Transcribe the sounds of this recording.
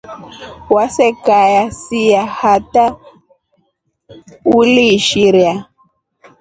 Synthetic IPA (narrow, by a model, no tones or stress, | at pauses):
wasɛkajasijahata | uliʃiɾja